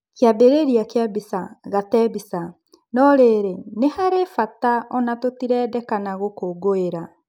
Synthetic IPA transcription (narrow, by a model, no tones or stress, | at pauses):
keabeɾeɾiakeabisaɣatɛbisa | nɔɾeɾenehaɾefataɔnatotiɾɛːdɛkanaɣokoɡoeɾa